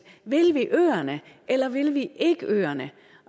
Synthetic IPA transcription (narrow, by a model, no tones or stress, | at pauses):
ʋɪlʋiʔøːɐnə | ʔelɐʋɪlʋiʔeɡ̥əʔøːɐnə